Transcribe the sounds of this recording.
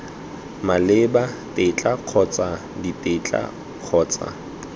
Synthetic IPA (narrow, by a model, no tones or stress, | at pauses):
malɪbatʼet͡ɬʼaq͡χʰɔt͡sʼa | ditʼet͡ɬʼa̰ | q͡χʰɔːt͡sʼa̰